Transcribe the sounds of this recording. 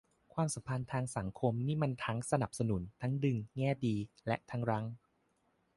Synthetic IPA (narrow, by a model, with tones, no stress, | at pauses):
kʰwaː˧msa˨˩˦mpʰa˧nt̪ʰaː˧ŋsa˩˦ŋkʰo˧mniː˥˩ma˧nt̪ʰa˦˥ŋsa˧na˨˩p̚sa˧nu˩˦nt̪ʰa˦˥ŋdɯ˧ŋŋɛː˥˩diː˧lɛ˦˥ʔt̪ʰa˦˥ŋɾa˦˥ŋ